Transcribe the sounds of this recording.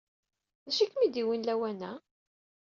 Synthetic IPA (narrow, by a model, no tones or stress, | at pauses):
æʃikːmid̪iwinlæwænæ